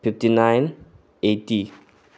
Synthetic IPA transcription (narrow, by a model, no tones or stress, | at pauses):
fiftinãjn | eti